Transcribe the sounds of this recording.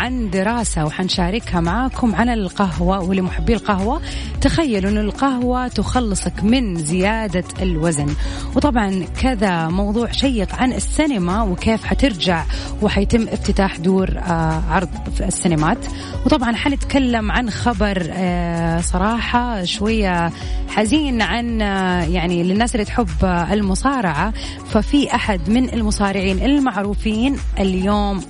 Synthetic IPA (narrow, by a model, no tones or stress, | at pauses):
ʕand̪ɪɾˤɑːsawħanʃaːɾɪkhamaʕaːkʊmʕanɪlqaɦwawɪlːimʊħabːiːlqahwa | t̪axajːalʔɪnːʊlqaɦwat̪ʊxɑlːɨsˤɑkmɪnzɪjaːd̪aɪlwazn | wt̪ˤɑbʕɑnkɪðamɑwðˤuːʕʃajːɪqʕanɪsːɪnamawɪkeːfħat̪ɪɾd͡ʒaʕ | wɪħajt̪ɪmːʔɪft̪ɪt̪aːħd̪uːɾʕɑɾˤðˤsːɪnamaːt̪ | wt̪ˤɑbʕɑnħanɪt̪kalːamʕanxabɑɾˤ | sˤɑɾˤɑːħɑʃwajːa | ħaziːnʕanjaʕnilɪnːaːsʔɪlːit̪ħɪbːɪlmʊsɑːɾˤɑʕa | fafiʔaħad̪mɪnɪlmʊsˤɑːɾɪʕiːnʔɪlmaʕɾuːfiːnʔɪljoːm